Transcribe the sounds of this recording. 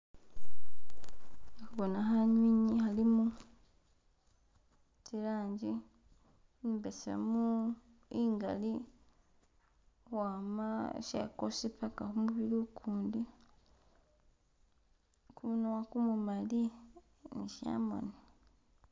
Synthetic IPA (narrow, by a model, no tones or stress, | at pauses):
nikuβonaɦaɲwiɲihalimu | tiɾaːɲd͡ʒi | nibesa̰mu | iŋɡa̰li | waːma̰ʃḛkosipakahomuβilukʰuːndi | kuβunuwakumumali | niʃa̰ːmo̰ni